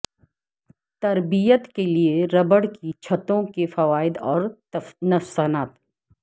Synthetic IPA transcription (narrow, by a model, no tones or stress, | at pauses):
t̪ɐɾbijət̪kelieɾɐbəɽkit͡ʃʰɐt̪õkefɐʋaːɪd̪ɔːɾ | nɐfsɐnaːt̪